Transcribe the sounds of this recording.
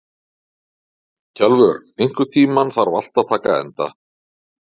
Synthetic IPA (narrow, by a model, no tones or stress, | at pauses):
cʰɛlvʏɾejŋ̥kʏ̥t̪ʰiːmanθaɾva̰l̥t̪aðt̪ʰaːkaɛ̰nt̪a̰